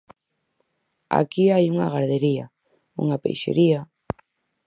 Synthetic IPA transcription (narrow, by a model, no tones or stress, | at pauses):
a̰kiajuŋaɣaɾðeɾia | ṵŋapḛjʃḛɾia